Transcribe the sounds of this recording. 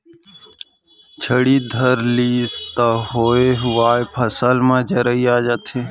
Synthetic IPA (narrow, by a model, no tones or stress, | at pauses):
t͡ʃʰəɽiːd̪ʱəɾliːst̪aɦoːeːɦʊʋaːjpʰəsəlmãːd͡ʒəɾəiːaːd͡ʒət̪ʰeː